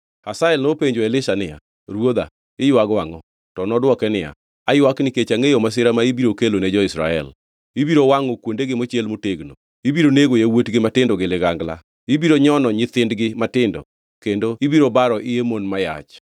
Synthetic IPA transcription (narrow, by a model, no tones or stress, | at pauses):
hasaɛlnopeɲd͡ʒoelɪʃanɪja̰ | ɾwod̪a̰ | ɪjwaɡwaŋɔ | tɔnɔdwɔkɛnɪja̰ | ajwaknɪket͡ʃaŋejomas̬ɪɾamaibiɾokeloned͡ʒɔɪsɾa̰ɛ̰l | ibiɾowaŋɔkwondeɡɪmot͡ʃelmoteɡno̰ | ibiɾoneɡojawotɡɪmatɪndɔɡɪlɪɡaŋɡla̰ | ibiɾoɲɔnɔɲɪt̪ɪndɡɪmatɪndɔ̰ | kendoibiɾobaɾɔʔɪemonmaja̰t͡ʃ